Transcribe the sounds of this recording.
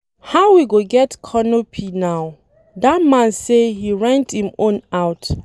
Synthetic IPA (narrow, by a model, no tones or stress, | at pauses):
haʊwiɡoɡɛtkʰɔnopʰinaʊ | datmãnsehiɹãnthĩmõnaʊt